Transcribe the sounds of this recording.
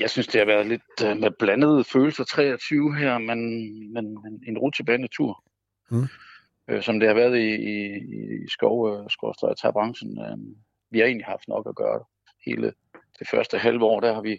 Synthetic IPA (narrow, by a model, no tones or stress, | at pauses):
jɑ̈ɪsynsd̥e̝hɑ̈ʋæɐðˠle̝d̥meb̥lænəð̞̩ˠføːl̩sɐt͡sʰʁɛ̰ːɒt͡sʰyːʊɦæɐ̰menmenene̝nʁu̥t͡sʰeb̥ɛɪnæt͡sʰuɐ̰ | øsɒ̽md̥e̝hɑ̈ʋæːɐð̞̩ˠiːisɡ̥ɒʊsɡ̥ɒʊsd̥ʁɒt͡sʰɑb̥ʁɑ̈ŋsn̩ø̰ | ʋihɑ̈e̝̰ːnlihɑ̈fd̥nɒ̽ɡ̥æɡ̥ɶːɐɾ̥e | he̝ːlə | d̥e̝fɶɐsd̥əɦælʋəɒ̰ːd̥æhɑ̈ʋi